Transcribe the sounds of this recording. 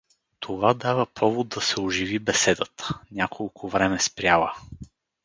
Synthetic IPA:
t̪ʰovad̪avəpʰɔvod̪̚d̪ɐsɛʊʒivibɛsɛd̪ət̪ənʲakʰolˠkʰʊvɾɛmɛspɾʲjalˠə

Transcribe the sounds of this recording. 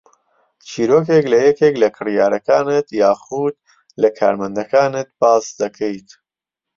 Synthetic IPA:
t͡ʃʰiːɾoːkeklɐjɛkeklɐkʰɨrijaːɾɐkaːnɨt̪jaːχud̪̚ | lɐkʰa̰ːɾmɐnd̪ɐkaːnɨt̪̚baːsd̪ɐkʰejt̪

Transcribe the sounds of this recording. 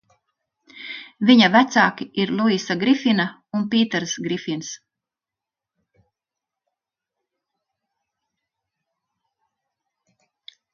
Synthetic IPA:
viɲavæt̪saːkiiɾlˠuisaɡɾifina | unpiːt̪ɛɾsɡɾifins

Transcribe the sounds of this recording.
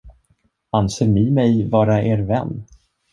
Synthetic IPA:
anseːɾnɪmɛjvɑːɾaʔeːɾvɛ̰nː

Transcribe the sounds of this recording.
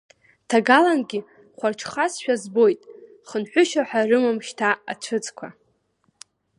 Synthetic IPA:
tʰaɡalanɡʲi | χʷarʈ͡ʂʰχasʃᶣazbo̞jtʼ | χənħʷᶣʊʃaħʷᶣarɨmamʃtʰaat͡ɕʷʰɨt͡sʼkʷʰa

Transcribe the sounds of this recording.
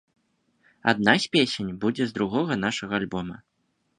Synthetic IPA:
a̰d̪̚nasʲpʲesʲenʲbud͡zʲɛzd̪ɾuɣɔɣɐn̪aʂɐɣɐalʲbɔmɐ

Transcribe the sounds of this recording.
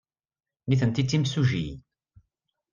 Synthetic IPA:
niθənt̪it̪ːimsuʒi

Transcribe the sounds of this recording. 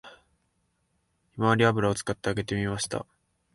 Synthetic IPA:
imaβaɾʲiabɯɾao̞t͡sɨ̥kat̪ːe̞aɡe̞t̪e̞mʲimaɕi̥t̪a̰

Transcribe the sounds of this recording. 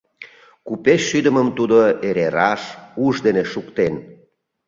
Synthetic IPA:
kupeʃːyd̪əməmt̪ud̪oeɾeɾɑʃuʒd̪eneʃukt̪en

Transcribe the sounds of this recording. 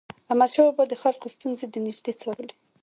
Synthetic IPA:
amad̪ʃɑwbɔd̪əxalkost̪unzed̪ənɪʒd̪et͡sɑɾəle

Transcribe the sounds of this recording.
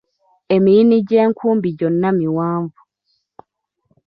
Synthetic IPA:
emiiniɟeːŋkʰuːmbiɟonːamiwaːɱvu

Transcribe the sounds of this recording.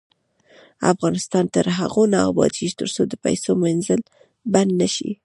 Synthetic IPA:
a̰fɣɑnɪst̪ɑnt̪əɾɦa̰ɣonɑbɑ̰t̪iʃt̪əɾsod̪əpa̰jsomanzəl | band̪naʃḭ

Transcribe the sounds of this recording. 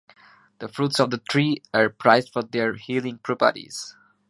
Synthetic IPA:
ð̥əfɹuːtsɔvðətʰɹiːəɹpʰɹaɪzdfɔd̪ɛɹhilɪ̃ŋpʰɹɔpə̰ɾḭz̥

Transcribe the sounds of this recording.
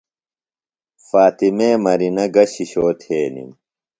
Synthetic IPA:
faːt̪imeːmɐɾinɐɡɐɕiɕoːt̪ʰeːnḭm

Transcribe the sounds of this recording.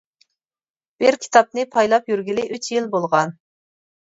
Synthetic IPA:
b̥ɪɾkʲʰi̥t̪ʰɑp̚nɨpʰɑjlˠɑpjyɾɡʲilɪʔyt͡ʃjilbolˠʁɑn

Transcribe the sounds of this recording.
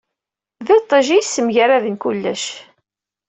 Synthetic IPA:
ðɪt̪ˤːəʒijsːəmʝəɾaðənkulːæʃ

